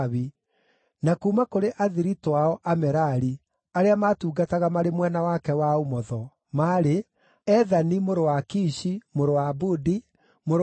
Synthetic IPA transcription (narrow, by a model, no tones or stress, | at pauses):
βi | nakuːmakoɾeʔaðiɾitwaɔʔamɛɾaɾi | aɾeamatuːɡataɣamaɾemwɛnawakɛwaomɔðɔ | maːɾe | ɛðanimoɾowakiʃimoɾowabudi | moɾ